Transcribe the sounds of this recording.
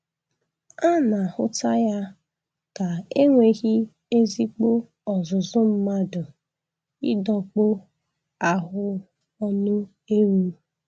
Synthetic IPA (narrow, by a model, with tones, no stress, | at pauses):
a˦na˨hʊ̰˦ta˦ja˦ | ka˨e˦ŋʷe˨ɣi˦ | e˦zi˦k͡po˦ | ɔ˨zʊ˨zʊ˦m̩˦ma˦dʊ˨ | ɪ˦dɔ˨k͡pʊ˦ | a˨ɦʊ˦ | ɔ˦nʊ˦ | e˦wu˦˨˦